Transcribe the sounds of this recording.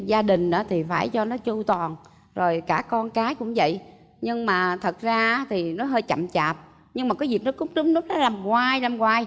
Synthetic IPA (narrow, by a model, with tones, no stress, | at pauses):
zaː˧ɗï˨˩ŋ̟ʔɨ̰ː˧˥t̪ʰi˨˩faː˧˩jt͡ɕɔ˧nɔ˨˦t͡ɕu˧t̪ɔ˨˩n | zo˨˩jkaː˧˩kɔ˧nkaː˨˦jkʊ̰˧˥ŋ͡mvə̰˧˨jʔ | ɲɨ˧ŋmaː˨˩t̪ʰə˨˩t̚zaː˧˦˥t̪ʰi˨˩nɔ˨˦ɦəː˧jt͡ɕa̰˧˨mt͡ɕaː˨˩p̚ | ɲɨ˧ŋmaː˨˩kaː˨˦zi˨˩k̚nɔ˨˦kʊ˦˥k͡p̚nɨ˨˦˥ŋ͡m̚nɨ˦˥ək̚nɔ˨˦laː˨˩mkwaː˧jlaː˨˩mkwaː˧j